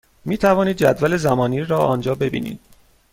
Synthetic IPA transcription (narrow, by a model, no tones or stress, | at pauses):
miːt̪ʰævɒːniːd̪̚d͡ʒæd̪væle̞zæmɒːniːɾɒːɒːnd͡ʒɒːbe̞bḭːnḭːd̪̥̚